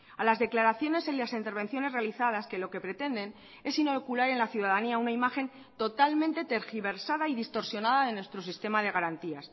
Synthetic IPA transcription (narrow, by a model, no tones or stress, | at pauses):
alazðe̞klaɾaθjo̞ne̞selasint̪e̞ɾβ̞ẽ̞nθjo̞ne̞zre̞aliθað̞aske̞lo̞ke̞pɾe̞t̪e̞nd̪e̞n | e̞sino̞kulaɾe̞nlaθjuðaðaniaunaimaxe̞n | t̪o̞t̪almẽnt̪e̞t̪e̞ɾxiβe̞ɾsaðaiðist̪o̞ɾsjo̞naðaðe̞nwe̞st̪ɾosist̪e̞maðe̞ɣaɾant̪ias